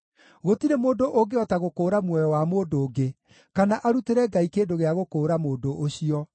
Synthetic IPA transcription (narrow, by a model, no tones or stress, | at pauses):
ɣotiɾemoːndoʔoɡeɔtaɣokoːɾamwɔjɔwamoːdoːɡe | kanaʔaɾuteɾɛɡaikeːndoɣeaɣokoːɾamoːndoʔoɕiɔ